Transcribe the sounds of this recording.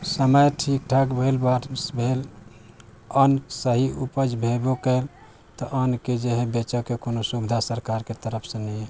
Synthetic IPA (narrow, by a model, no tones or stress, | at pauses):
səməjʈʰik̚ʈʰakbʱelbaʈsbʱel | ənsəɦiupəd͡ʒbʱebokəl | t̪ɔʔənked͡ʒeɦẽbet͡ʃəkekonosubid̪ʱasəɾkaɾket̪əɾəpʰsẽnɛɛ